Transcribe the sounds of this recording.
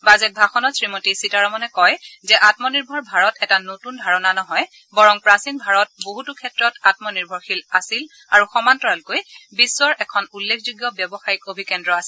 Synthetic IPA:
bazɛt̚bʱaxɔnɔtsɹimotisitaɹɔmɔnɛkɔjzɛʔatmɔniɹbʱɔɹbʱaɹɔtʰɛtanotundʱaɹɔnanɔɦɔj | bɔɹɔŋpɹasinbʱaɹɔt̚boɦutukʰɛtɹɔtat̚mɔniɹbʱɔɹxilasil | aɹuxɔmantɔɹalkojbisːɔɹɛkʰɔnulːekʰzuɡjɔbjɔbɔxaɹikobʱikɛndɹɔasil

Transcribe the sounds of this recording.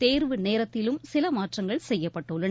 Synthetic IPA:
t̪eːɾʋɯneːɾɐt̪ːɪlɯmsɪlɐmaːʈrɐŋɡɐɭsɛjːɐpːɐʈːɯɭːɐ

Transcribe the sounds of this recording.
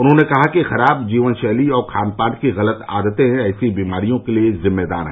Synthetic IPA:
ʊnɦõnekɐɦakixɐɾaːb̚d͡ʒiːʋənʃɛːliɔːɾkʰaːnpaːʈkiɣɐlət̪a̰ːd̪ət̪ẽɦɛ̃ɛːsibiːmaːɾijõkeliezɪmːed̪a̰ːɾɦɛ̰̃ː

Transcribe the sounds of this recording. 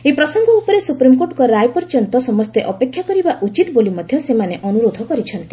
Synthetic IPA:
epɾɔsɔŋɡɔupɔɾesupɾimkoʈkɔɾajpɔɾt͡ʃɔnt̪ɔsɔmɔst̪eʔɔpekʰjakɔɾibaʔut͡ʃit̪bolimɔd̪ʱjɔsemaneʔɔnuɾod̪ʱɔkɔɾit͡ʃʰɔnt̪i

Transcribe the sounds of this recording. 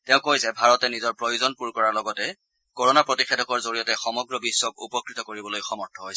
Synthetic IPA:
tɛʊ̃kojsɛbʱaɹɔtɛnizɔɹpɹojuzɔnpuɹkɔɹaɹlɔɡɔtɛ | koɹɔnapɹotixedʱɔkɔɹzoɹijɔtɛxɔmɔɡɹɔbiswɔkṵpɔkɹitɔkoɹibɔlojxɔmɔɹtʰɔɦojsɛ

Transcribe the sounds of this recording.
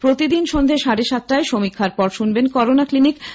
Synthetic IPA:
pɾot̪id̪inʃond̪ʱeʃaɽeʃat̪̚ʈaeʃomikʰːaɾpɔɾʃunbenkɔɾonaklinik

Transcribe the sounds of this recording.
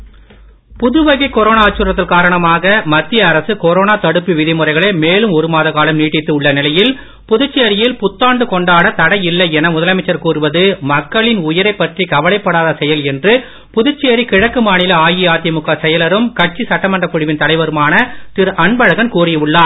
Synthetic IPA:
pʊðɯʋɐɣɐɪkːɔɾoːnaaːt͡ʃːuːɾɐt̪ːɪlkaːɾɐɳɐmaːɣɐmɐt̪ːɪjɐːɾɐsɯkɔɾoːnaːt̪ɐɽɯpːiʋɪðɪmɯrɐɪɣɐɭɐɪmeːlɯmɔɾɯmaːðɐɣaːlɐmniːʈːɪt̪ːɯɯɭːɐnɪlɐjɪl | pʊðʊt͡ʃːejɐɾɪjɪlpʊt̪ːaːɳɖɯkɔɳɖaːɽɐt̪ɐɽɐjɪlːɐɪɛnɐmʊðɐlɐmɐɪt͡ʃːɐɾkuːrɯʋɐðɯmɐkːɐɭɪnʊjɐɾɐɪpːɐʈrikɐʋɐlɐɪpːɐɽaːðɐsɛjɐlɛndrɯ | pʊðʊt͡ʃːeɐɾikɪɻɐkːɯmaːɳɪlɐaːjɪaːt̪ɪjɐmʊkːaːsɛjɐlɐɾɯmkɐʈ̚t͡ʃːisɐʈːɐmɐndrɐkːʊɽɪʋɪnt̪ɐɽɐɪʋɐɾɯmaːnɐt̪ɪɾɐɳbɐɻɐɣɐnkuːrɪjɐʋɯɭːaː

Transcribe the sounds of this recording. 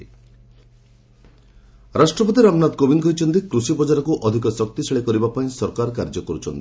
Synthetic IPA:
ɾasʈɾɔpɔt̪iɾamnad̪kobiŋkɔjt͡ʃʰɔnt̪ikɾusipɔd͡ʒaɾɔkuʔɔd̪ʱikɔsɔkt̪iseɭekɔɾibapaĩsɔɾkaɾkaɾd͡ʒɔkɔɾut͡ʃʰɔnt̪i

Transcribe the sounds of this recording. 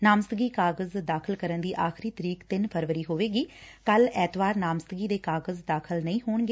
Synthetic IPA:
naːməst̪əɡiːkaːɡəzd̪aːkʰəlkəɾənd̪iːʔaːxɪɾiːt̪əɾiːkt̪ɪnpʰəɾʋəɾiːɦoːʋeːɡiː | kəlɛːt̪ʋaːɾnaːmst̪ɡiːd̪eːkaːɡəzd̪aːkʰəlnəĩːɦoːɳɡeː

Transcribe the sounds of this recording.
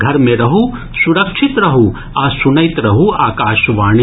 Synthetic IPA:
ɡʱɐɾmẽɾɐɦu | suɾɐkʃʰit̪ɾɐɦu | aːsunɐjt̪ɾɐɦuaːkaːʃʋaːɳi

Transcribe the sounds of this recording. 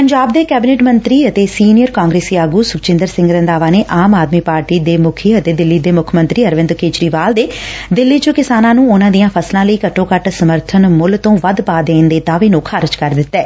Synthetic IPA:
pəɲd͡ʒaːb̚d̪eːkɛːbɪneːʈmənt̪ɾiːət̪eːsiːnɪjəɾkaːŋɡɾeːsiaːɡuːsʊkt͡ʃɪ̃nd̪əɾsɪ̃ŋɡɾə̃nd̪aːʋaːneːʔaːmaːd̪miːpaːɾʈiːd̪eːmʊkʰiət̪eːd̪ɪlːiːd̪eːmʊkʰmə̃nt̪ɾiːəɾʋɪ̃nd̪keːt͡ʃɾiːʋaːld̪eːd̪ɪlːiːt͡ʃokɪsaːnãːnũːʊnãːd̪ijãːpʰəslãːləiːkəʈːõːkəʈsəməɾt̪ʰənmʊlt̪õːʋəd̪paːd̪eːnd̪eːd̪aːʋeːnũːkʰaːɾɪd͡ʒkəɾd̪ɪt̪ːɛː

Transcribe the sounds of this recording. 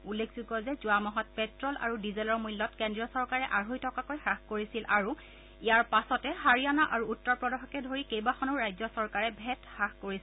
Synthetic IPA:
ulːekʰz̥uɡɔzɛzʊamɔɦɔt̚pɛtɹɔlʔa̰ɹudizɛlɔɹmujlːɔtkendɹijɔsɔɹkaɹɛʔaɹɦojtʰɔkakojxaxkoɹisilʔaɹu | ijaɹpasɔtɛhaɹianaʔaɹuːtːɔɹpɹɔdaxɔkɛdʱoɹikejbaxʰɔnʊɹajzɔsɔɹkaɹɛbʱɛtxaxkoɹis

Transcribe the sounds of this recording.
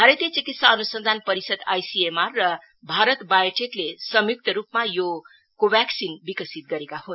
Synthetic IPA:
bʱaɾet̪jet͡sikit̪saʌnusʌnd̪ʱanpʌɾisʌd̪ajsiemarːʌ | bʱaɾʌt̪bajʈʰeklesʌmjuk̚t̪ʌɾupmajo | kobaksinbikʌsit̪̚ɡʌɾekaɦun

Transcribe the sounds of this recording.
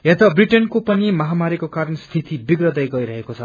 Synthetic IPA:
ɦet̪ʌbriʈenkopʌnimʌɦamaɾikokaɾʌnst̪ʰit̪ʰibiɡrʌd̪ʌjɡʌiɾʌɦekot͡sʰʌ

